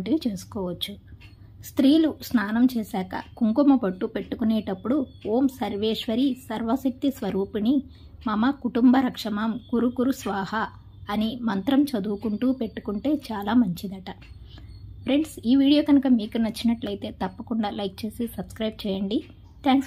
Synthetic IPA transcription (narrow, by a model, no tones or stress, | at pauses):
ʈiit͡ʃeːsu̥kɔːʋɐt͡ʃːu | st̪ɾiːlusnaːnɐmt͡ʃɛːsaːkɐ̰kuŋkumɐpɐʈːupe̞ʈːukuneːʈɐpːuɽuoːmsɐɾʋeːʂʋɐɾisɐɾʋɐsɐk̚t̪isʋɐɾuːpini | mɐmɐkuʈumbɐɾɐkʂɐmaːmkuɾukuɾusʋaːhɐː | nimɐnt̪ɾɐmt͡ʃɐd̪uːkuɳʈuːpe̞ʈːu̥kuɳʈe̞ːt͡ʃaːlaːmɐɲt͡ʃid̪ɐʈɐ | pʰɾeɳɖsiːʋiːɽijo̞ːkɐnukɐmiːkunɐt͡ʃːinɐʈlɐjit̪e̞ːt̪ɐpːɐkuɳɖaːlɐjk̚t͡ʃe̞ːsisɐbskɾɐjb̚t͡ʃɛːjɐɳɖi | t̪ʰaːŋks